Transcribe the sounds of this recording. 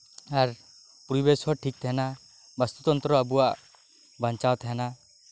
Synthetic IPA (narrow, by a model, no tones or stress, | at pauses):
aɾ | puɾibeshɔʈʰik̚t̪ʰɛɛna | bast̪ut̪ɔnt̪ɾɔabuwaʔ | baɲt͡ʃawt̪ʰɛɦɛna